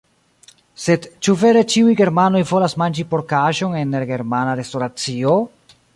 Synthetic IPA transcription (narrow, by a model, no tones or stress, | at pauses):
se̞dt͡ʃuve̞ɾe̞t͡ʃiujɡe̞ɾmano̞jvo̞lasmand͡ʒipo̞ɾkaʃo̞ne̞neɾɡe̞ɾmanaɾe̞stoɾat͡sio̞